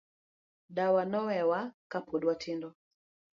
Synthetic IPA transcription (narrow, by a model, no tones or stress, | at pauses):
ɗawanɔwɛwakapuɗwatʰindɔ